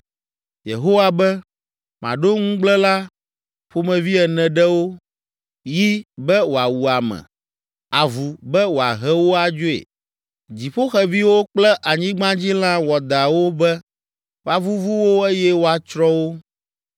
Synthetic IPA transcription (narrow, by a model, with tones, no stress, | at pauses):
jḛ˨ɦo˦wa˦bɛ˦ | mã̰˨ɖo˦ŋũ˦ɡ͡blɛ˦la˦ | ɸo˦mɛ̃˨vi˦ɛ˨nɛ̃˨ɖɛ˦wo˦ | ji˦bɛ˦wo˨a˨wu˨a˨mɛ̰̃˨ | a˨vu˨bɛ˦wo˨a̰˨ɦɛ˦wo˦a˨d͡ʒo˦ḛ˨ | d͡ʑi˨ɸo˦xɛ˨vi˦wo˦k͡plɛ˦ʔa˨ɲĩ˦ɡ͡bã˦d͡ʑi˦l̃ã˦wɔ˨d̪a˨wo˦bɛ˦ | wo˨a˨vu˦vu˦wo˦ɛ˦jɛ˦wo˦a˨t͡ʃɾɔ˦wo˦